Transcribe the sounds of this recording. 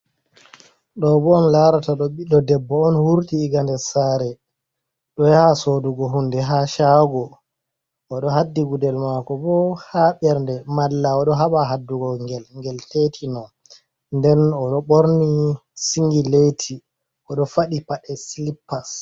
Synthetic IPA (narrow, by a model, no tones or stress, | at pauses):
ɗɔbɔːnlaɾataɗɔɓiɗɔdɛbːɔɔnhuɾtiːɡandɛsaɾɛ | ɗɔjahasoduɡɔɦundɛɦaʃaɡɔ | ʔɔɗɔɦadːiɡudɛlmakɔbɔhaɓɛɾndɛmalːaɔɗɔɦaɓaɦadːuɡɔŋɡɛlŋɡɛltetʰinɔn | ndɛnɔɗɔɓoɾnisiŋɡiletʰi | ʔɔɗɔfaɗipaɗɛsilipːas